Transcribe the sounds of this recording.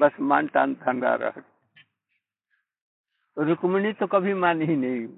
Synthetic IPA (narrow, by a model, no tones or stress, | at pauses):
bəsmanʈa̰nd̪ʱənd̪a̰ɾə̰ɦət̪̚ | ɾukmnit̪okəbʱimaninəi